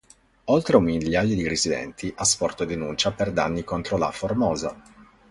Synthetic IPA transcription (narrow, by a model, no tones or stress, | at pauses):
olt̪ɾeumiljaːjod̪irizid̪ɛ̰nt̪iʔaspɔrt̪od̪enunt͡ʃaperd̪a̰nːikont̪ɾola̰formɔːza